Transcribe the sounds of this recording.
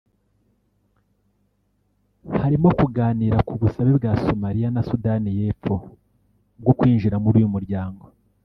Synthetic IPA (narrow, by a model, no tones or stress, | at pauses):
haɾimo̞kuɡaːniːɾakuβusaβebɡaːso̞maɾijanasudanije̞ːfo̞ | b̚ɡo̞kwiːnʒiɾamuɾuːjumuɾɟaːŋɡo̞